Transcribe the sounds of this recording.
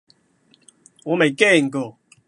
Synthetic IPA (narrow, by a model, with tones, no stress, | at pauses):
wɔ˨˦me˨˩jke˥˨ŋ̩˨ko˨˩˨